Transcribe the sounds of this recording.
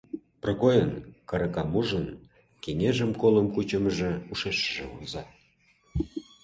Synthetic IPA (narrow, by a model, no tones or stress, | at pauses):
prŏkojənkɤ̆ɾɤ̆kɑmuʒə̆n | keŋeʒə̆mkolə̆mkut͡ɕə̆məʒĕuʃeʃəʒĕunzɑ